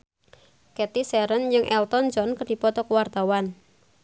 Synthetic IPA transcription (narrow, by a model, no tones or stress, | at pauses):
kɛt̪isɛɾənjɨŋʔɛlt̪ɔnd͡ʒɔnkərd̥i̤pɔt̪ɔkuwart̪awan